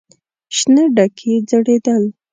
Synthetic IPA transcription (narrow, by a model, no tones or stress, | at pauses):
ʃnəɖakʰed͡zəɽed̪əl